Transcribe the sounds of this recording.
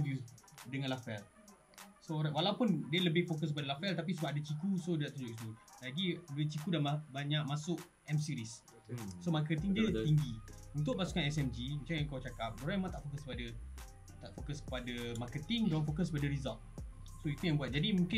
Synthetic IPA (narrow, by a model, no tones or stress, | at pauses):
dudəŋãnlafɛl | soɾatwalawpʊndiələbɪhfokəs̬kəpadəlafɛlt̪ap̬isubaadat͡ʃikusodədaʔt̪uɲd͡ʒʊkʔit̪ulaɡidət͡ʃikudanmabaɲãʔ̚masʊk | ɛmsiɾis | somakət̪ɪŋdiət̪iŋɡiunt̪̬ʊʔ̚pasu̥kanɛsɛmd͡ʒimə̃t͡ʃaŋãŋkawt͡ʃakap̚doɾãjmãt̪aʔfokəskəpada | t̪aʔfokəskə̥padamakət̪ɪŋdoɾanfokəs̬kəpadəɾizalt̪̚ | soit̪ujaŋbuat̪̚d͡ʒadimũŋkɪ